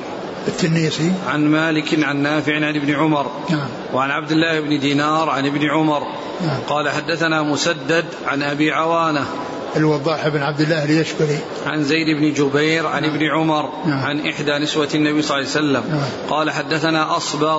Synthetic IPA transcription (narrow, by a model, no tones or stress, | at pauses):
ɪt̪ːɪnːiːsiʕanmaːlɪkʕanːaːfɪʕʕanɪbnɪʕʊmɑɾˤ | na | wʕanʕab̚d̪ɪlːaːhɪbnɪd̪iːnɑːɾˤʕanɪbnɪʕʊmɑɾˤ | qɑːlaħad̪ːaθanaːmʊsad̪ːad̪ʕanʔabiːʕawaːna | ʔɪlwɑd̪ˤːɑːħɪbnʕab̚d̪ɪlːaːhljaʃkʊɾi | ʕa̰nzajd̪ɪbnɪd͡ʒʊbajɾʕanɪbnɪʕʊmɑɾˤ | ʕanʔɪħd̪aːnɪswaanːabiːsˤɑlːasalːam | qɑːlaħad̪ːaθanaːʔɑsˤbɑ